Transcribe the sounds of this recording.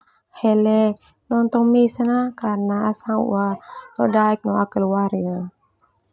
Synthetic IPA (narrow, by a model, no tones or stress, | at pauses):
hɛlɛ | nɔnt̪ɔŋmɛsanakanaasaŋṵalɔdaɛk̚nɔakalwaɾia